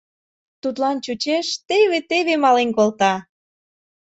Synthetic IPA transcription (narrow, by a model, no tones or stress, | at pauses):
t̪ut̪lɑnt͡ɕut͡ɕeʃt̪eβet̪eβemɑlenkolt̪ɑ